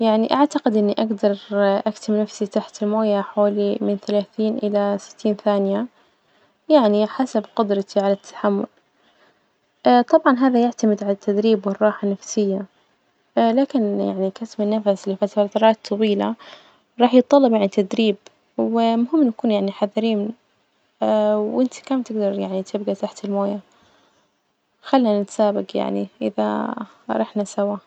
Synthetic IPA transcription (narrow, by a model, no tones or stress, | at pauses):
jaʕniʔaʕt̪aqɪd̪ʔɪnːiʔaɡd̪ɑɾˤʔakt̪ɪmnafsit̪aħt̪ɪlmoːjaħaaːlimɪnθalaːθiːnʔɪlasɪ̥t̪ʰːiːnθaːnɪja | jaʕniħasabqʊd̪ɾˤɑt̪ʰiʕalat̪ʰːḁħamːʊ̰l | ʔt̪ˤɑbʕɑnɦaːðajaʕt̪amɪd̪ʕalat̪ːad̪ɾiːbwɪrˤːɑːħanafsɪjːa | laːkɪnja̰ʕnikasmɪnːafaslɪfat̪t̪ɾˤɑːt̪ʰˤːɑwiːla̰ | ɾˤɑːħjɨt̪ˤːɑlːɑbjaʕnit̪ad̪ɾiːb | wɪmʊɦɪmːnjakuːnjaʕniħaðɾiːn | wwʔɪnt̪i̥kaːmt̪ɪɡd̪ɑɾˤja̰ʕnit̪ʰɪb̚ɡat̪aħt̪ɪlmoːja | xalːinanɪt̪saːbɪɡja̰ʕniʔɪ̰ða̰ | ɾˤɑħnasawa